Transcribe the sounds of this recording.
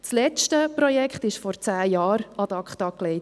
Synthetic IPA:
t͡slɛt͡ʃtəpɾɔjɛkχtɪʃfɔɾt͡sæːjɑːɾɑd̥̪ɑkχtɑkleɪt

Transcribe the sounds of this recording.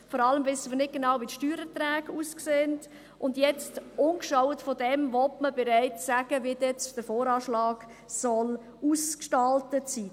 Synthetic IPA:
fɔɾɑləmvɪsəməɾnɪt̚ɡ̥enɑwʋitʃtyːɾɛtɾæːɡuskseənt | ʔʊndjɛt͡stʊnkʃɔwətfɔdɛmvɔtməbɛɾɛɪt͡ssæɡ̥əʋiːdɛt͡sd̥əɾfoːɾɑːʃlɑːɡ | sɔl | uskʃtɑltətsiː

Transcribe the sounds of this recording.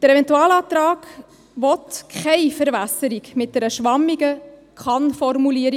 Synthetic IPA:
d̥əɾɛvɛntuɑːlɑːt̪ɾɑːɡ̥ | ʋɔtkʰχɛɪfəɾvæsəɾiɡmɪt̚d̥ɛɾəʃʋɑmːiɡəkχɑnfɔrmuliəɾi

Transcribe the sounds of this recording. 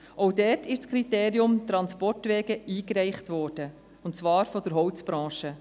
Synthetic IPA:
ʔɔwdɛːtʰɪʃt͡skʰɾiteːɾiʊmt̪ɾɑnspɔrtʋɛːɡəiːkɾɛɪχtʋɔːɾd̥ə | ʊntt͡sʋɑːɾfɔd̥əɾɦɔwt͡sb̥ɾɑ̃ːʃə

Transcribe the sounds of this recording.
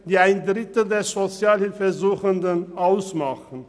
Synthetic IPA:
d̥iːaɪndʁɪtl̩deːɐzot͡sjaːlhɪlfəzuːxəndənʔaʊsmaχn̩

